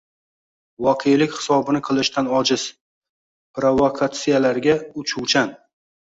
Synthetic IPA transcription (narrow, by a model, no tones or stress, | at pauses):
vɒqʰejlɪkʲhɪ̥sɒbɪnɪqʰɨlˠɪʃt̪ʰanɒd͡ʒɪz̥ | pɾovokʰat̪sijalaɾɡʲaʊt͡ʃʰuwt͡ʃʰan